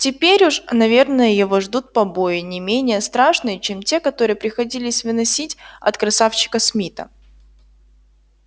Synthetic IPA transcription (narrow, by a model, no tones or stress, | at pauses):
tʲɪpʲeɾʲʊʂnɐvʲe̞rnəjəjɪvo̞ʐd̪ut̪̚pɐbo̞jɪnʲɪmʲenʲɪjəst̪ɾaʂnɨjət͡ɕemtʲe̞kɐt̪o̞ɾɨjəpɾʲɪxɐdʲilʲɪsʲvɨnɐsʲitʲɐ̰t̪kɾɐsaft͡ɕɪ̥kəsmʲit̪ə̰